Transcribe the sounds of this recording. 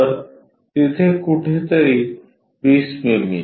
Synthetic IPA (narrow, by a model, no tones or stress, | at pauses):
ɾ | t̪it̪ʰekuʈʰet̪eɾi | bismimḭ